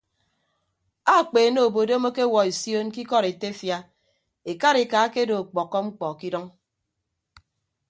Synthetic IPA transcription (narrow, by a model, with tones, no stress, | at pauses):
a˦˨k͡pe˨no˦˨o˨bo˨do˦mo˦ke˦wɔ˨e˨sjo˦nki˦kɔ˦ɾe˨te˦fja˦ | e˨ka˦ɾi˨kaː˨˦ke˦do˨k͡pɔ˨kːɔ˦ŋ͡m̩˦k͡pɔ˨ki˦dɔ˦ŋ